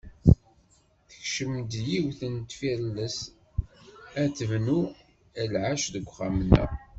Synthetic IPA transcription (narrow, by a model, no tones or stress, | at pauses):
θəçʃəmd̪jiwθənt̪fiɾləs | æθəvnu | ælʕaʃðəɡʷːχamnæ̰